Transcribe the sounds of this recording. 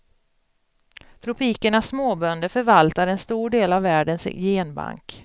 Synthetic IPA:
t̪ʰɾʊpʰiːkəɳasːmoːbœnd̪əfœɾvalt̪aɾɛnst̪uːɖeːlavːæːɖənsjeːnba̰ŋk

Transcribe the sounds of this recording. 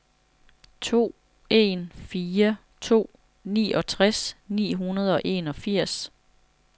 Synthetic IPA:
t͡sʰo̝̰ː | e̝nfiːɐ | t͡sʰo̝̰ː | nḭːɒ̽t͡sʰʁasnḭːɦunɐð̞ˠɒ̽ʔe̝̰ːnɒ̽fiɐ̰s

